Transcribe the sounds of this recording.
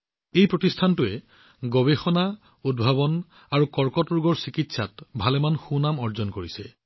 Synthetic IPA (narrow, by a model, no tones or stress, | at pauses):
ejpɹotistʰantʊɛ | ɡɔbexɔna | ud̚bʱabɔn | aɹukɔɹkɔtɔɹɡɔɹsikitsatbʱalɛmanxunamɔɹzɔnkoɹisɛ